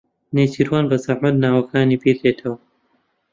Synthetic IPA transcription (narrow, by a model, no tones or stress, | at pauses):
neːt͡ʃʰiːɾwaːnbɐzaʕmɐt̪naːwɐkʰaːniːpiːleːt̪ʰɐwɐ